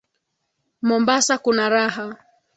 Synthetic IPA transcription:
mɔmbasakunaɾaɦa

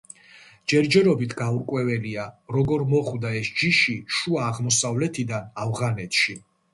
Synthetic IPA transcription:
d͡ʒɛɾd͡ʒɛɾɔbit̪ʰɡauɾkʼwɛvɛliaɾɔɡɔɾmɔχwd̪aɛsd͡ʒiʃiʃuaːʁmɔsavlɛt̪ʰid̪anavʁanɛt̪ʰʃi

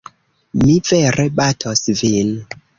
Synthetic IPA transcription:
miveɾebatʰosvin

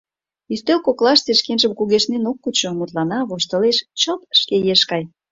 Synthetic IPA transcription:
yst̪ølkoklɑʃt͡seʃkenʒəmkuɣeʃnenokːut͡ɕomut̪lɑnɑβoʃt̪ə̆leʃt͡ɕəp̪ʃkejeʃkɑj

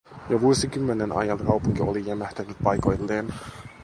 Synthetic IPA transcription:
jɑʋuosikymːenenɑ̰jɑnkɑupuŋkiolijæmæht̪ænyt̪̚pɑjko̞jlːeːn

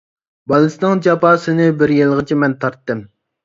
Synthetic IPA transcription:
bɑlˠɨsɨnɨŋd͡ʒɑpɑːsɨnɪbɪɾjelˠʁət͡ʃʰimɛnt̪ʰɑɾt̪ːɨm

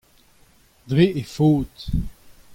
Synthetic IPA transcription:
d̪ʁeʔefoːt̪

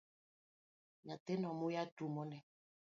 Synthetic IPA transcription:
ɲatenɔmujatumɔnɛ

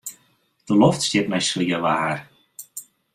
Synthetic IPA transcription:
d̥əlɔftstɪt̚mɛjsliəʋaːar

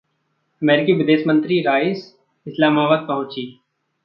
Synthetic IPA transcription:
ɐmeːɾɪkiʋɪd̪eːʃmə̃nt̪ɾiɾaːɪs | ɪslaːmaːbaːd̪̚pɐɦʊ̃t͡ʃiː

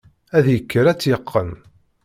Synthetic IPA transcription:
æðjəkːəɾæt͡sːjəqʰːən

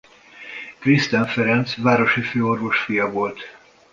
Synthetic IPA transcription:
krist̪ɛɱfɛɾɛnt̪svaːɾo̞ʃiføːorvo̞ʃfijɒvo̞lt̪

